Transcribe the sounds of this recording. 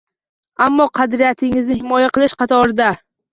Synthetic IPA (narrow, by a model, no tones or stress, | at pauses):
amːɒqʰɑd̪ɾɪjat̪ʰɪŋɪznɪhɪmɒjaqɨlˠɪʃqɑt̪ʰɒɾɪd̪a